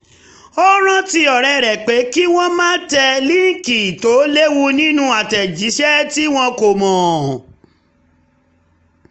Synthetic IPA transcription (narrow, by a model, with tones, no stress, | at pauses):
o˦ɾ̃ã˦ti˧ɔ˨ɾɛ˧ɾɛ˨k͡pe˨˦ki˦w̃ɔ̃˦mãː˦tɛ˧li˦˨˦ki˨to˨˦le˦wu˧nĩ˦nũ˧˦a˨tɛ˨d͡ʒi˨˦ʃɛ˦ti˦w̃ɔ̃˧ko˨mɔ̃ː˨